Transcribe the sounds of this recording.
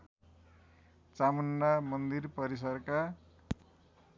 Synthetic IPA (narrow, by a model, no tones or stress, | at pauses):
t͡samʌnːamʌnd̪irpʌɾis̬ʌrka